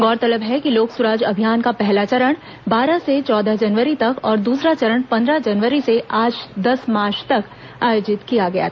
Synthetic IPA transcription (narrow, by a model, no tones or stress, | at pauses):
ɡɔːɾt̪ɐləbɦɛkiloːksʊɾaːd͡ʒɐbʱijaːnkapɛɦlat͡ʃɐɾəɽ̃ | baːɾaset͡ʃɔːd̪əd͡ʒɐnʋəɾit̪ɐkɔːɾd̪uːsɾat͡ʃɐɾəɽ̃pɐ̃nd̪ɾad͡ʒɐnʋəɾiseʔaːd͡ʒd̪ɐsmaːɾʃt̪ɐk | aːjoːd͡ʒɪt̪kijaɡɐja̰